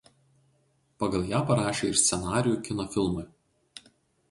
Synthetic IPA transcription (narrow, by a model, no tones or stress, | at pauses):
pɐɡɐlˠjæːpɐɾɑːʃʲeːɪɾsʲt̪sʲɛnɑːɾʲɪjuːˑkʲɪnɔfʲɪlˠmʊɪ